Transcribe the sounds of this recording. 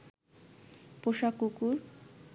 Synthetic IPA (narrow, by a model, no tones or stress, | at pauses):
poʃakukuɾ